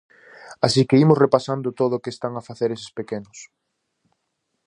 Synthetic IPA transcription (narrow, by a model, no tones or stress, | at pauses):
asikeimʊsrepasand̪ʊt̪oðʊːkest̪aŋafaθeɾesɪ̥spekenʊs